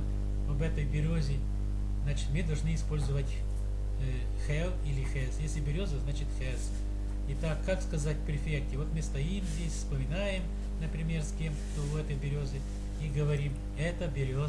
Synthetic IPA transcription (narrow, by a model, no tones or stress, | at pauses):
ɐbɛt̪əjbʲɪɾʲozʲɪ | znat͡ɕɪ̥t̪mɨd̪ɐlˠʐnɨɪspo̞lʲzʊvətʲ | xɛlˠilʲɪxɛsjesʲlʲɪbʲɪɾʲo̞zəznat͡ɕɪt̪xɛs | ɪt̪akːakskɐzatʲpɾʲɪfʲektʲɪvot̪mɨst̪ɐimzʲdʲesʲfspəmʲɪnajɪm | nəpɾʲɪmʲe̞rskʲe̞mkt̪oɛt̪əjbʲɪɾʲozɨ | iɡəvɐɾʲim | ɛt̪əbʲɪɾʲo